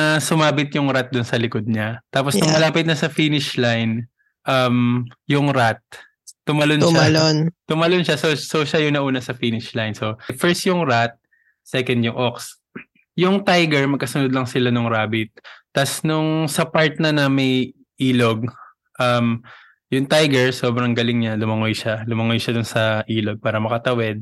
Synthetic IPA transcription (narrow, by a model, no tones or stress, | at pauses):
ɐsʊmaːbɪt̪̚jʊŋɾat̪̚d̪ʊnsɐlɪkod̪̚ɲat̪aːposnʊŋmɐlaːpɪt̪̚nɐsɐfiːnɪʃlajn | ʔɐmjʊŋɾat̪̚ː | ʊmɐlonʃlont̪ʊmɐlonʃasosoʃajʊŋnɐʔuːnɐsɐfiːnɪʃlajnsofɛɹst̪̚jʊŋɹat̪̚ | sɛːkɐnd̪jʊŋʔoks | jʊŋt̪ajɡɛɹmɐɡ̚kɐsʊnod̪̚lɐŋsɪlanʊŋɾaːbɪt̪̚ːɐsnʊŋsɐpaɹt̪̚nɐnɐmɐj | ʔiːloɡ̚ | ʔɐm | jʊŋt̪ajɡɛɹso̞ːbɾɐŋɡɐlɪŋɲalʊmɐŋojʃalʊmɐŋojʃad̪ʊnsɐʔiːlo̞ɡ̚paːɾɐmɐkɐt̪ɐwɛd̪̚